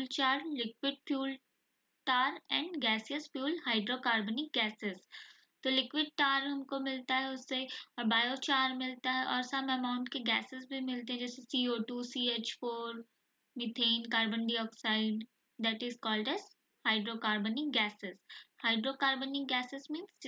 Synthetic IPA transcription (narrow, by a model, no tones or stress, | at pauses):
lt͡ʃaːɾlɪkwɪɖ̚fjuːl | ʈaːɾɛ̃ːɳɖɡɛːsiəsfjuːlhaːɪɖɾokaːɾbənɪk̚ɡɛːsɪz | t̪olɪkʋɪɖ̚ʈaːɾɦɐmkomɪlt̪aɦɛʊsːeɔːɾbaːjot͡ʃaːɾmɪlt̪aɦɛʔɔːɾsɐbɛmãːʊ̃ɳʈkeɡɛːsɪzbʱimɪlt̪ẽɦɛ̃d͡ʒɛːsesiːoːʈuːsiːeːt͡ʃfoːɾ | mɪt̪ʰeːnkaːɾbə̃ɳɖiɔːksaɪɖ | d̪ɛʈɪzkɔːlɖɛːz | haːɪɖɾokaːɾbənɪkɡɛːsɪzhaːɪɖɾokaːɾbənɪkɡɛːsɪzmĩːns